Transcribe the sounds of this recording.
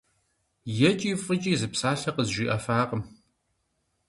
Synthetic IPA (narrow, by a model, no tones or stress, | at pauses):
jɛt͡ʃʼiːfʼɨt͡ʃʼiːzɨpsaːɬɐqəzʒʷiːʔɐfaːqəm